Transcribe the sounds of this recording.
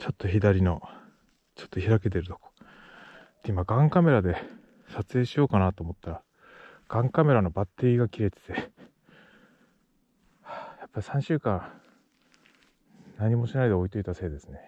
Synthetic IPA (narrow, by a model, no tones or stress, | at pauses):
t͡ɕo̞t̪ːo̞çid̪aɾʲino̞ | t͡ɕo̞̥t̪ːo̞çiɾake̞t̪e̞ɾɯ̟t̪o̞ko̥ | t̪ːeimaɡãŋkame̞ɾad̪e̞ | sat͡sɨeːɕijo̞ːkanat̪oːmo̞t̪ːaɾa | ɡ̥ãŋkame̞ɾano̞bat̪ːe̞ɾʲiɡakʲiɾe̞t̪e̥t̪e̞ | ajapːaɾʲi̥sãɕɨːkãɰ̃ | naɲ̟ːimo̞ɕinaid̪e̞oit̪o̞it̪ase̞ːd̪e̞sɨ̥ne̞